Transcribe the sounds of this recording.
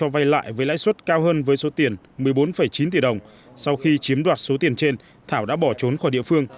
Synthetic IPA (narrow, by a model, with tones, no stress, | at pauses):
t͡ɕɔ˧va˧jla̰ː˧˨jvəː˨˦jla̰ː˧˥jswə˦˥t̚kaː˧wɦəː˧nvəː˨˦jso˨˦t̪i˨˩ən | mɨ˨˩əjɓo˨˦nfə˧˩jt͡ɕi˨˦nt̪i˧˩ɗə˨˩wŋ͡m | sa˧wxi˧t͡ɕi˨˦əmɗwaː˨˩t̚so˨˦t̪i˨˩ənt͡ɕe˧n | t̪ʰaː˧˩wɗa̰ː˧˥ɓɔ˧˩t͡ɕo˨˦nxɔ˧˩jɗḭ˧˨əfɨ˧əŋ